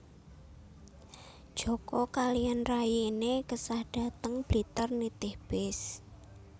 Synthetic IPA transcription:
d̥ʒ̥ɔ̤kɔkalianrajiinekəsahɖ̥ä̤t̪əŋb̥lit̪ərnit̪ɪhb̥ɛs

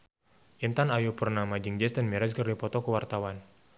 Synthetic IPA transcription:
ʔint̪anajupurnamad͡ʒiŋd͡ʒɛst̪ənmiɾaskərdipɔt̪ɔkəwart̪awan

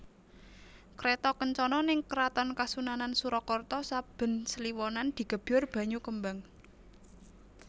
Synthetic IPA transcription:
kɾet̪ɔkəɲt͡ʃɔnɔnɪŋkəɾat̪ɔnkasunanansuɾɔkɔrt̪ɔsab̥ə̤nsəliwɔnand̪̥i̤ɡ̥ə̤b̥ʊrb̥ä̤ɲukəmbaŋ

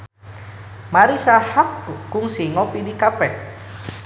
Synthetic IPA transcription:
maɾisahakːʊŋsiŋɔpidikapɛ

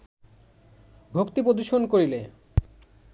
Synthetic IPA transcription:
bʱokt̪ipɾod̪uʃonkoɾile

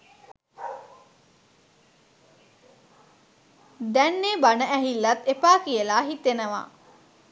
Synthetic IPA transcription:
d̪ɛnːebanəʔæɦilːɐt̪epaːkiəlaːɦit̪enəʋa̰ː

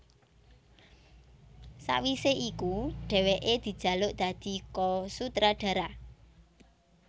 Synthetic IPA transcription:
sa̰wiseikuɖ̥ɛ̤weʔed̪̥i̤̥ʒ̥ä̤lʊʔd̪̥ä̤d̪̥i̤kɔsut̪ɾaɖ̥ä̤ɾa

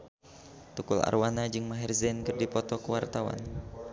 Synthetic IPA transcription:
t̪ukula̰rwanad͡ʒɨŋmaɦɛrzɛnkɨrdipɔt̪ɔkəwart̪awa̰n

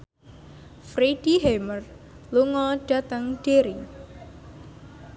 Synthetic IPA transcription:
fɾed̥iɦemər | luŋɔɖ̥a̤t̪əŋɖ̥eɾi

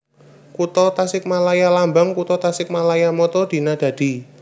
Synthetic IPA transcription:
kut̪ɔt̪asɪk̚malajalambaŋkut̪ɔt̪asɪk̚malajamɔt̪ɔd̪̥i̤nad̪̥ä̤d̪̥i̤

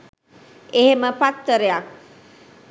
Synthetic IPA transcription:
eɦeməpat̪ːəɾejak̚

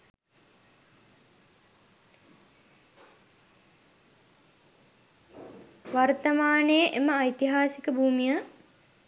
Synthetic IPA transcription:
ʋart̪əmaːnejəʔeməajt̪iɦaːsikəbʱuːmijə

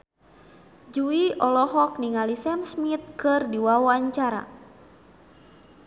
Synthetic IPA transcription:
d͡ʒuiɔlɔɦɔk̚niŋalisɛmsmit̪̚kɨrdiwawaɲt͡ʃaɾa̰

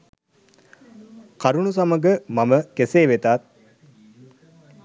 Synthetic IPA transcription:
kaɾuɳus̬aməɡəmaməkeseːʋet̪at̪̚

